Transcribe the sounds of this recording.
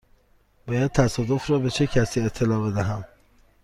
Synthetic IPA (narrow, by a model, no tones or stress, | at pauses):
b̥ɒːjæd̪̚t̪ʰæsɒːd̪ofɾɒːbe̞t͡ʃʰecʰæsiːet̪ʰːe̞lɒːbe̞d̪æɦæm